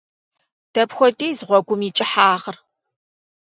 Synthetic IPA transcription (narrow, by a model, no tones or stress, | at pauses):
d̥ɐpxʷɔdʼiːzʁʷɔɡʷʊmit͡ʃʼɪħaːʁər